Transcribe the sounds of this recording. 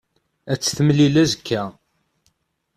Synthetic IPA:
æt͡sːθəməlilæzəkʰːæ

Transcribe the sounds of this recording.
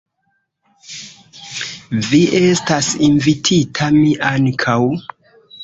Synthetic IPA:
viʔe̞stasinvitʰitʰamiʔaŋkʰaw

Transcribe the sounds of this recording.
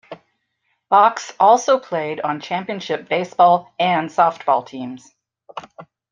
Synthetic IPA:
b̥ɑksʔɔlˠsoʊpʰl̥eɪɾn̩t͡ʃʰæ̃mpiɨ̃nʃɪp̚b̥eɪsb̥ɔlˠɨ̃nsɔft̚b̥ɔ̰lˠtʰĩmz̥

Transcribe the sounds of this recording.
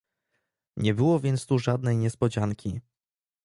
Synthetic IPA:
ɲɛbɘwɔvʲjɛnt̪st̪uʐad̪̚nɛjɲɛspɔd͡ʑaŋkʲi

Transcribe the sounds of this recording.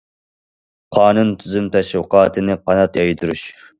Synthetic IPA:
qʰɑːnunt̪ʰyzymt̪ʰɛʃwɨqɑːt̪ʰɨnɨqʰɑnɑt̪jɑjt̪ʰuɾṵʃ

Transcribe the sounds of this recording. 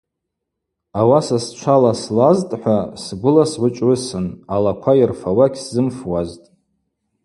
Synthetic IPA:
awasast͡ʃʷʰalaslaztʼħʷasɡʷʊlasʕʷʊt͡ʃʼrɨsɨnalakʷʰajirfawaɡʲszɨmfwaztʼ

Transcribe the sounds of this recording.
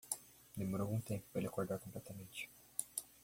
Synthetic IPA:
nemoɾowũt̪ẽmpʊ̥pelakoɾd̪aɾkõmplɛt̪amẽnt͡ʃɪ̥

